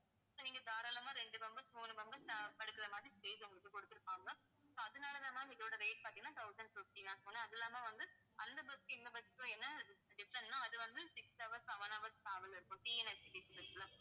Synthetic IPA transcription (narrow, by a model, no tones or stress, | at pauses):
soːniːŋɡɐd̪aːɾaːlɐmãːɾɛɳɖɯbɐmbɐsmuːnɯbɐmbɐsapɐɽɯkːɯɾɐmaːðɾisʈeːsɔŋɡɐɭɯkːɯkɔɽɯt̪ːɪɾɯpːaːŋɡɐ | soːɐðɯnaːlɐlaːmaːɪðoːɽɐɾeɪʈ̚paːɾt̪iŋɡɐnːãːt̪ʰɐʊsɐɳɖfɪfʈinãːsoːnẽɐðɛlːaːmaːʋɐnd̪ɯ | ɐnd̪ɐbɐskːɪnd̪ɐbɐsɪkːõɛnːɐɖɪfɾɛɳnãːɐðɯʋɐnd̪ɯsɪksɐʋɐɾsɐʋɐnɐʋɐɾskaːʋɐlɪɾɯkːʊ̃ːʈiːɛnɛsɪʈisɪʈɪlãː